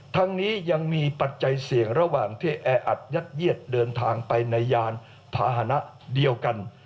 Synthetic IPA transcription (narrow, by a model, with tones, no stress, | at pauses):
t̪ʰaː˧ŋniː˦˥ja˧ŋmiː˧pa˨˩t̪̚t͡ɕa˧jsi˨˩˦əŋɾa˧waː˨˩ŋt̪ʰeː˥˧˩ʔɛː˧ʔa˨˩t̪̚ja˦˥t̪̚ji˥˩ət̪̚dɤː˧nt̪ʰaː˧ŋpa˧jna˧jːaː˧n | pʰa̰ː˧ɦa˧˩na˦˥ʔ | di˧əwka˧n